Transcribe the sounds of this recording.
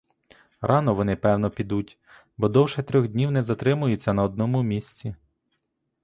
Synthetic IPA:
rʔɑnɔʋɔnɪpɛwnɔpʲid̪utʲ | bɔd̪ɔwʃɛt̪ɾʲɔɣd̪ʲnʲiwnɛzɐt̪ɾɪmʊjʊt͡sʲːɐnɐɔd̪̚nɔmʊmʲisʲt͡sʲi

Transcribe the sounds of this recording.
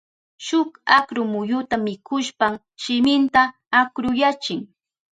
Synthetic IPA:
ʃʊkakɾʊmʊjʊt̪amɪkʰʊʃpam | ʃɪmɪnt̪aː | kɾʊjat͡ʃɪŋ

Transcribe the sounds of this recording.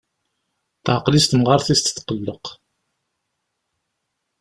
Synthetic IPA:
t̪ʕqlist̪əmʁɑɾˤθist̪θqəlːəq

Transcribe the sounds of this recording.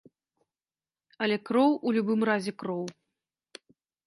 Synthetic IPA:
ɐlʲɛkɾɔwulʲubɨmrazʲɛkɾɔw

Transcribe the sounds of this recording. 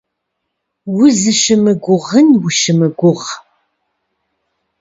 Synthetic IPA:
wʊzɨʃɨmɨɡʷʊʁənwʊʃɪmɨɡʷʊʁ

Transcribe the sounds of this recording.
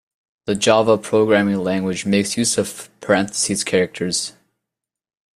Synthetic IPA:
ðɨd͡ʒɑvəpʰɹ̥oʊɡɹæmɪ̃ŋlæ̃ŋɡwɨd͡ʒmeɪksjʉsʌv̥pʰə˞ɛ̃nθə̥sizkʰɛɹɨk̚tʰə˞z̥

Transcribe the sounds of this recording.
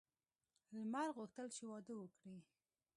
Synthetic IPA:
lmaɾɣuxt̪əlt͡ʃewɑd̪əwəkɽi

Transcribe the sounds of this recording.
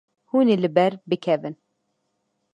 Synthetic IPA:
huːnelɨbɛɾbɨkʰɛvɨn

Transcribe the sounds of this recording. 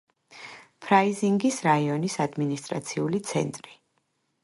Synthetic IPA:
pʰɾaiziŋɡisɾaiɔnisad̪minist̪ʼɾat̪sʰiulit̪sʰɛ̰nt̪ʼɾi

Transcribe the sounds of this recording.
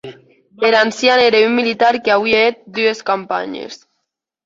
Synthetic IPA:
eɾansjaneɾeummːilit̪aɾkeaβwieet̪̚d̪ueskampa̰ɲḛs

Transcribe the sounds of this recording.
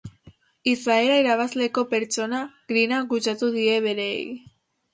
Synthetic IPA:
isae̞laiɾaβ̞azle̞ko̞pe̞ɾt͡ʃo̞naɣ̥ɾinaɡut͡ʃat̪uð̞ie̞βe̞ɾe̞̰ːj

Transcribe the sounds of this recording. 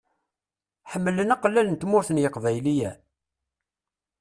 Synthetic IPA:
ħəmːələnæqlːælənt̪mʊɾθənjəqvæjlijæ

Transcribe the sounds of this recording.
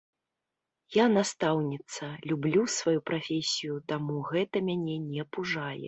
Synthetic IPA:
janast̪awnʲit̪sɐlʲublʲusvajupɾafʲesʲijut̪amuɣɛt̪ɐmʲanʲɛnʲɛɐpuʐajɛ̰

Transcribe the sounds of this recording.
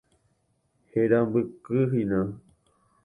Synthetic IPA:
heɾambɨkɨɦinã

